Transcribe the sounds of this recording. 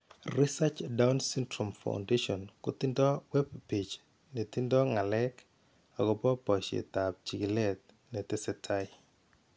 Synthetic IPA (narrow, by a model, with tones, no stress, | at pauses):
ri˦sat͡ʃda˦wnsi˦ntɾɔ˨mfa̰˨w̰nde˦ʃɔ˨nkʊ˦t̪i˦ndɔ˦wɛ˦b̚pi˨t͡ʃ | ni˨t̪i˦ndɔ˦ŋa˨lɛ˦k | a˨ɡɔ˨pɔ˦pɔ˨t͡ʃḭ˨t̪a˨p̚t͡ʃi˨ɡi˨lɛ˦t̪̚ | nɛ˨t̪ɪ˦sɛ˨tʰa˦j